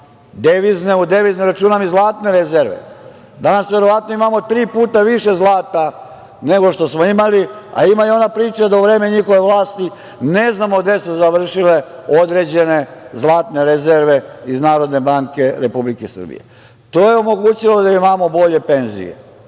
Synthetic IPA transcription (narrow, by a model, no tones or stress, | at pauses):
d̪eʋizneud̪eʋizniɾat͡ʃuːnamizlˠaːt̪ne̞ɾezeɾʋḛ | d̪anasʋe̞ɾo̞ʋat̪noimamo̞t̪ɾiːpuːt̪aʋiʃe̞zlˠaːt̪a | ne̞ɡo̞ʃt̪o̞smo̞imalia̰imaeo̞napɾiːt͡ʃad̪auʋɾe̞ːme̞ɲixo̞ʋe̞ʋlˠaːst̪i | ne̞znamoɡd̪e̞suzaʋr̩ʃileo̞d̪ɾe̞d͡ʑe̞ne̞zlˠaːt̪ne̞ɾezeɾʋe̞iznaːɾo̞d̪ne̞baŋke̞ɾepublikesr̩bḭjḛ | t̪o̞jeomo̞ɡuːt͡ɕilo̞d̪aimamo̞bo̞ʎe̞pe̞nzḭjḛ